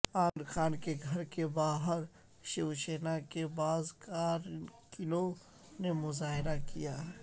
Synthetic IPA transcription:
aːnxaːnkeɡʱɐɾkebaːɦəɾ | ʃɪʋʃeːnakebaːzkaːɾkɪnõ | nemʊzaːɦɪɾakijaːɦ

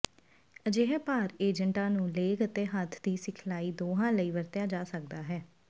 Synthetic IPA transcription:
əd͡ʒeːɦɛːpaːɾeːd͡ʒəɳʈãːnũːleːkət̪eːɦət̪ʰːd̪iːsɪkʰlaːiːd̪oːɦãːləiːʋəɾt̪jaːd͡ʒaːsək̚d̪aːɦɛː

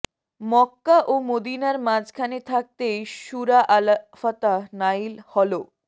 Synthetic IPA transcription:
mɔkːaʔomod̪inaɾmãd͡ʑkʰanet̪ʰak̚t̪eʃuɾaʔalafat̪anailhɔlo

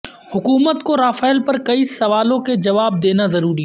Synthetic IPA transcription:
hʊkuːmət̪koɾaːfaːɪlpɐɾkɐisɐʋaːlõked͡ʒɐʋaːb̚d̪eːnazɐɾuːɾi

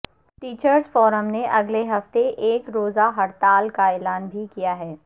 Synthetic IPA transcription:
ʈiːt͡ʃəɾzfɔːɾəmneʔɐɡleɦɐft̪eʔeːkɾoːzaɦɐɽt̪aːlkaɛːlaːnbʱikijaɦɛː

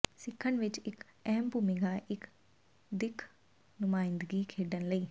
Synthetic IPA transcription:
sɪkʰːənʋɪt͡ʃɪkɛɦmbuːmɪɡaːʔɪk | d̪ɪkʰ | nʊmaːɪ̃nd̪ɡiːkʰeːɖənləiː

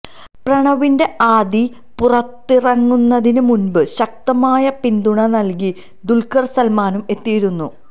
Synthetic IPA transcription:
prɐɳɐʋinde̞ʔaːd̪i | purɐt̪ːirɐŋːunːɐðinɨmunbɨɕɐk̚t̪ɐmaːjɐpind̪uɳɐnɐlk̬i | d̪ulkɐrsɐlmaːnume̞t̪ːijiɾunːu

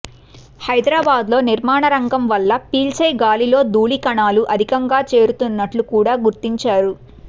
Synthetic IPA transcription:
hɐjd̪ɾaːbaːd̪lo̞ːniɾmaːɳɐɾɐŋɡɐmʋɐlːɐpiːlt͡ʃejɡaːlilo̞ːd̪uːɭikɐɳaːluʔɐd̪ʱikɐŋɡaːt͡ʃe̞ːɾut̪unːɐʈlukuːɽaːɡuɾt̪iɲt͡ʃaːɾu

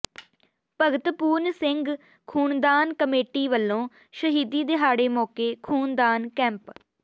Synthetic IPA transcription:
pəɡət̪puːɾnsɪŋɡ | kʰuːnd̪aːnkəmeːʈiːʋəlːõː | ʃəɦiːd̪iːd̪eɦaːɽeːmɔːkeːkʰuːnd̪aːnkɛ̃ːmp

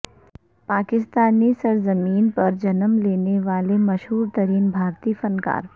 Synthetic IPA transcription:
paːkɪst̪aːnisɐɾzɐmiːnpɐɾd͡ʒɐnəmleːneʋaːlemɐʃɦuːɾt̪ɐɾiːnbʱaːɾt̪iːfɐnka̰ːɾ

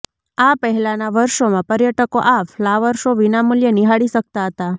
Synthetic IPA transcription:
apəɦɛlanaʋəɾʃomãpəɾjəʈəkoʔaflaʋəɾʃoʋinamuljəniɦaɽiʃək̚t̪aɦət̪a

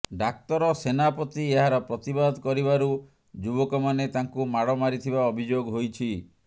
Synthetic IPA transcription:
ɖak̚t̪ɔɾɔsenapɔt̪ieɦaɾɔpɾɔt̪ibad̪kɔɾibaɾu | d͡ʒubɔkɔmanet̪aŋkumaɽɔmaɾit̪ʰibaɔbʱid͡ʒoɡɦojt͡ʃʰi

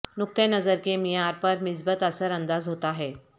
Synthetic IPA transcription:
nuk̚t̪ẽnəd͡zəɾkemijaɾpəɾmis̬bət̪əsəɾənd̪azɦot̪aɦe

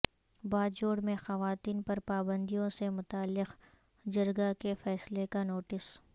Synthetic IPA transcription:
baːd͡ʒoːɽmẽxɐʋaːt̪iːnpɐɾpaːbə̃nd̪ijõsemʊt̪aːlːɪq | d͡ʒɐɾɡakefɛːslekanoːʈɪs

